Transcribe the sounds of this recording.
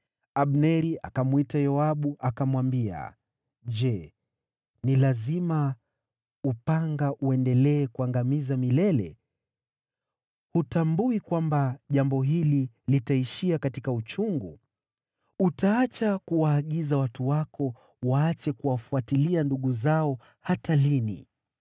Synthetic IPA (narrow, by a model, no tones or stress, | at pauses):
aɓnɛɾiʔa̰kamwitajɔaɓuʔakamwambia̰ | ʄd͡ʒɛ | nilazima | upaŋɡaʔuɛndɛlɛːkuaŋɡamizamilɛlɛ̰ | hutambuikwambaʄambɔɦili | litaiʃiakatikaut͡ʃuŋɡu | utaat͡ʃakuwaːɠizawatuwakɔ | waat͡ʃɛkuwafuatilianduɠuzaɔ | hatalinḭ